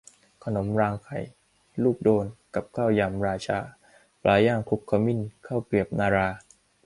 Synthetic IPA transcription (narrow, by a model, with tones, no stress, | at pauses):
kʰa˧no˩˦mɾaː˧ŋkʰa˨˩j | luː˥˩k̚doː˧nka˨˩p̚kʰaː˥˩wjaː˧˩mɾaː˧t͡ɕʰaː˧ | plʔaː˧˩jaː˥˩ŋkʰu˦˥k̚ʰːa˧˩mi˦˥˩nkʰaː˥˩wpi˨˩əp̚naː˧ɾaː˧